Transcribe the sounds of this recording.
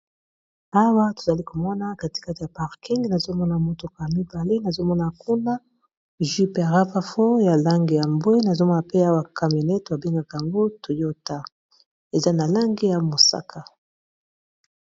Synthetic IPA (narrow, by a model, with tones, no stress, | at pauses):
a˦wa˦to˨za˨li˦ko˨mɔ˦na˦ka˨ti̥˦ka˦ti˨ja˨pa˨ʁki˦ŋɡna˨zo˦mɔ˦na˨mo˦to˦ka˨mi˦ba˨le˦na˨zo˦mɔ˦na˨ku˦na˦ | ʒi˦pe˨ja˨ʁa˦pa˦fo˦ja˨la˦ŋɡi˨ja˨mbo˦i˦na˨zo˦mɔ˦na˨pe˦a˦wa˨ka˨mo˨nɛ˦ta˨be˦ŋɡa˨ka˨a˨ŋɡo˦to˨jo˦ta˦ | e˨za˦na˨la˦ŋɡi˦ja˨mo˨sa̰˦kʰa˨